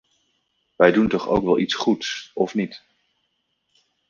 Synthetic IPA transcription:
ʋɛjduntɔχo̰wkʋɛlˠʔitsχutsɔfnit

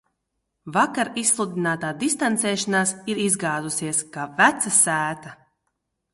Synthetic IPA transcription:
vakaɾislˠud̪inaːt̪aːd̪ist̪ant̪sɛːʃanaːsiɾizɡaːd̪usiɛskaːvæt̪sasæːt̪a

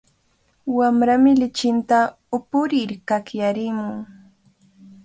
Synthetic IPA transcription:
wamɾamɪlɪt͡ʃɪnt̪a | ʊpʊɾɪɾkakjaɾɪmʊŋ

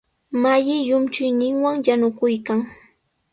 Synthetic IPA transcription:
majɪjʊmt͡ʃʊjnɪŋwaŋjanʊkʊjkaŋ

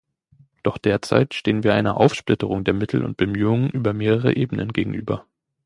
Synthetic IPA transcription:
d̥ɔχd̥eːɐt͡sa̰ɪtʃteːənviːɐʔaɪnɐʔaʊfʃplɪtəʁ̞ʊŋdeːɐmɪtʰl̩ʊ̰nt̚b̥əmyːʊŋənʔyːbɐmeːʁəʁ̞ə̰ʔeːbənə̰nɡeːɡŋ̩ʔy̰ːbɐ

